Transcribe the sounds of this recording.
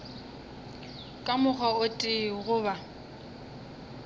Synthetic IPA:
kʼamʊχaʊtʼɪɣʊβa

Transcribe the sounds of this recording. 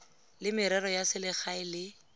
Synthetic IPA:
lɪmɪɾɛɾɔjasɪlɪχaɪlɪ

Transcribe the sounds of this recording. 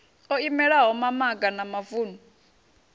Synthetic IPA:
ɔimɛɺaɦɔmamaɡanamavuːnu

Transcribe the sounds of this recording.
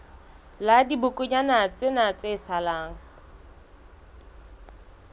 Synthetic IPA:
ladibʊkʼʊɲanat͡sʼɪnat͡sʼesalaːŋ̩

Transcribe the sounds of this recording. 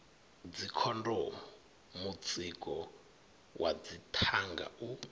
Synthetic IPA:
d͡zikʰɔndɔ | mut͡sʼikʼɔ | wʔa̰d͡zitʰaŋɡa̰u

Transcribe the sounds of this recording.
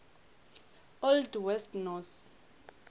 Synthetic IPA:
ɔldwɛstnɔs

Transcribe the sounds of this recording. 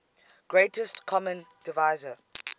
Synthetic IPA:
ɡ̥ɹetəstkʰɔmə̃nd̥ɪvaɪzə

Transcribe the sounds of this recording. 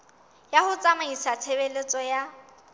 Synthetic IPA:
jahʊt͡sʼamaisat͡sʰebelet͡sʼɔja

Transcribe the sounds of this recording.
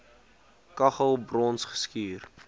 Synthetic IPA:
kɐχəlˠbrɔnsχə̥skiːr

